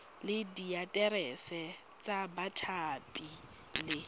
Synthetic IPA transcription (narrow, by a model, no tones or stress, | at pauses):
lɪdiatʼɛɾɛsɛ | t͡sʼabatʰapʼi | lɪ